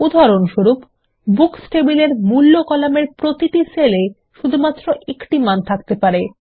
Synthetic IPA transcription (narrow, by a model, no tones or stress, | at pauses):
ud̪ʱaɾonʃuɾup | buksʈebileɾmulːokɔlameɾpɾot̪iʈisele | ʃud̪ʱumat̪ːɾoʔekʈimant̪ʰakt̪epaɾe